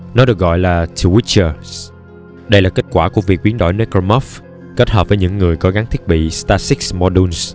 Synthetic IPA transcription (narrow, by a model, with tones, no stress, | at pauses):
nɔ˨˦ɗɨ˨˩ək̚ɣɔ̰˧˨jlaː˨˩t͡ɕʰu˧wi˦˥t͡ɕəː˧s | ɗə˧jlaː˨˩ke˦˥t̚kwaː˧˩ku˧˩əvi˨˩ək̚ɓi˨˦ənɗo̰˧˩jne˧ko˧mɔ˦˥f | ke˦˥t̚hɦəː˨˩p̚vəː˨˦jɲɨ̰˧˥ŋːɨ˨˩əjko˨˦ɣa˨˦ŋt̪ʰi˦˥ət̚ɓḭ˧˨st̪aː˧si˦˥k̚smɔ˧ɗu˧ns